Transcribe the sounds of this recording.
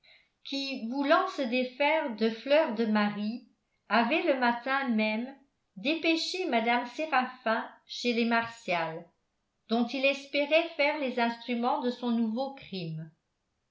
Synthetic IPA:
kʰivulɑ̃səd̪efɛːʁd̪əflœːʁd̪əmaʁi | avɛləmat̪ɛ̃mɛm | d̪epeʃemad̪amseʁafɛ̃ʃelemaʁsjal | d̪ɔ̃t̪ilɛspeʁɛfɛːʁlezɛ̃st̪χymɑ̃d̪əsɔ̃nuvokχim

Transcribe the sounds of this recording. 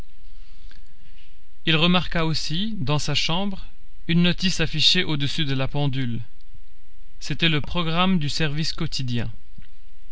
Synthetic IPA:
ilʁəmaʁkaosi | d̪ɑ̃saʃɑ̃bʁ | ynːɔt̪isafiʃeʔod̪əsyd̪əlapɑ̃d̪yl | set̪ɛləpχɔɡʁamd̪ysɛʁviskɔt̪ʰid̪jɛ̰̃

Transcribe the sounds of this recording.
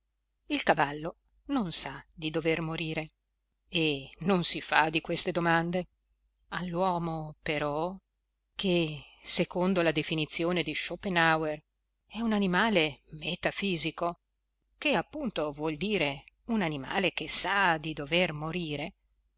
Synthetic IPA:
ilkavalːo | nonsad̪id̪overmoɾiːɾe | enonsifa̰d̪ikwest̪ed̪omand̪e | alːwɔːmopeɾɔ | kʰesekond̪olad̪efinit̪sːjoːned̪iʃopenawer | ɛunanimaːlemet̪afiːziko | keapːunt̪ovwɔld̪iːɾe | unanima̰ːlekesad̪id̪overmoɾiːɾe

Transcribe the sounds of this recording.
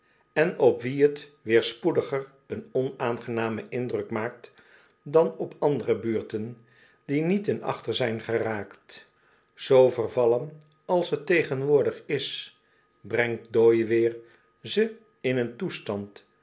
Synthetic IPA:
ɛnɔpʋiɦətʋɪːɹspudəχər | ənɔnaːnχənaːməʔɪndrɵkmaːk̚t | dɑnɔpɑndərəbyːɹtən | dinitənɑ̰χtəɹzɛjnχəraːkt | z̥owvərvɑlən | ɑlˠsɦətejχənʋʊːɹdəχɪs | brɛŋt̚dojʋɪːɹ | zə | ɪnəntustɑnt

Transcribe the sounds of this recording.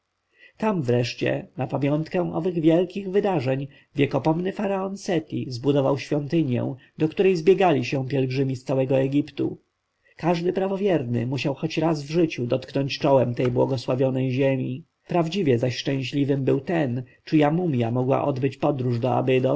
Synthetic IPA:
t̪amvɾɛʂt͡ɕɛ̰napamʲjɔnt̪kɛ̃ʔɔvɘɣvʲjɛlkʲiɣvɘd̪aʐɛɲ | vʲjɛkɔpɔmnɘfaɾaɔnsɛt̪ʲizbud̪ɔvawɕfʲjɔnt̪ɘɲjɛ̰w̃d̪ɔkt̪uɾɛjzbʲjɛɡalʲiɕɛ̃pʲjɛlɡʐɘmʲist̪sawɛɡɔɛɡʲipt̪ṵ | kaʐd̪ɘpɾavɔvʲjɛɾnɘ̰muɕawxɔt͡ɕɾazvʐɘt͡ɕud̪ɔt̪knɔɲt͡ɕt͡ʂɔwɛmt̪ɛjbwɔɡɔswavʲjɔnɛjʑemʲi | pɾavd͡ʑivʲjɛzaɕʂt͡ʂɛ̃ɕlʲivɘmbɘwt̪ɛn | t͡ʂɘjamumʲjamɔɡwa̰ʔɔd̪bɘt͡ɕpɔd̪ɾuʐd̪ɔa̰bɘd̪ɔ

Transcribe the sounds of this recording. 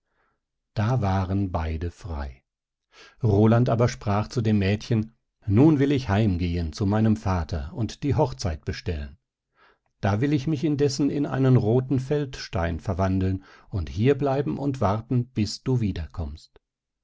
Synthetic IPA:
d̥aːvaːʁənbaɪdəfʁ̥a̰ɪ | ʁoːlantaːbɐʃpʁ̥aːχt͡sudeːmːɛːtçən | nuːnvɪlɪçhaɪmɡeːənt͡sumaɪnəmfaːtʰɐ̰ʊntd̥iːɦɔχt͡saɪt̚b̥əʃtɛlən | d̥aːvɪlɪçmɪçɪndɛsn̩ɪnʔa̰ɪnənʁoːtn̩fɛltʃta̰ɪnfɛɐvandl̩nʊnthiːɐblaɪbm̩ʔʊntv̥aʁtn̩b̥ɪsd̥uːviːdɐkʰɔmst

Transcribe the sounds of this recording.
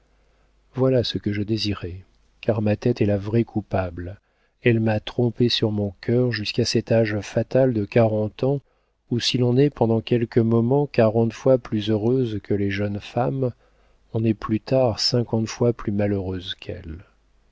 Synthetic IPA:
vwalasəkəʒəd̪eziʁɛ | kaʁmat̪ɛt̪ɛlavʁɛkʰupabl | ɛlmat̪χɔ̃pesyʁmɔ̃kʲʰœʁʒyskasɛt̪aʒfat̪ald̪əkaʁɑ̃t̪ɑ̃ | usilɔ̃nɛpɑ̃d̪ɑ̃kʲɛlkəmɔmɑ̃kaʁɑ̃t̪fwaplyzøʁøzkʰəleʒənfam | ɔ̃nɛplyt̪aʁsɛ̃kɑ̃t̪fwaplymaløʁøzkʰɛ̰l

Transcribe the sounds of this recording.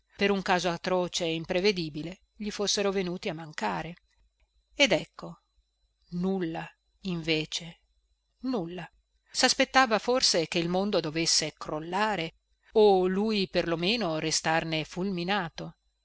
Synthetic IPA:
peɾuŋkaːzoat̪ːɾɔːt͡ʃeimpɾeved̪iːbile | ʎifosːeɾovenuːt̪iamːaŋkaːɾe | ed̪ɛkʰːo | nulːa | iɱveːt͡ʃe | nulːa | saspet̪ːaːvaforsekeilmond̪od̪ovesːekɾolːaːɾe | olujperlomeːnoɾest̪arnefulminaːt̪o

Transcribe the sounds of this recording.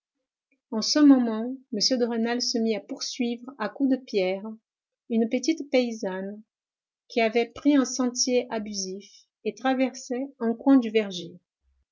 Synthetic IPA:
ɑ̃səmɔmɑ̃məsjød̪əʁenalsəmiapuʁsɥivʁakud̪əpjɛʁ | ynpət̪it̪peizan | kʲʰiavɛpχiɛ̃sɑ̃t̪jeʔabyzif | et̪χavɛʁsɛɛ̃kwɛ̃d̪yvɛʁʒe

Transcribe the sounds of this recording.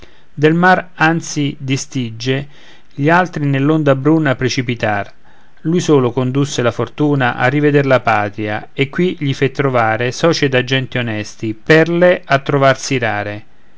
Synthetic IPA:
d̪elmarant̪sid̪ist̪id͡ʒːe | ʎialt̪ɾinelːond̪abɾunːapɾet͡ʃipit̪ar | lujsoːlʊkond̪usːɪlafort̪uːnaʔa̰rːived̪ɪrlapaːt̪ɾia̰ekːwiʎifet̪ːɾovaːɾesɔːt͡ʃed̪ad͡ʒːɛnt̪ionɛst̪ipɛrleat̪ːɾovarsiɾaːɾe

